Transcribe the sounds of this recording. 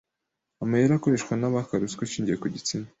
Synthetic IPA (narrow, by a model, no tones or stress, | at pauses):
amajeɾako̞ɾe̞ʃkwanaβakaɾuskwet͡ʃiːɲɟiekuɟit͡sima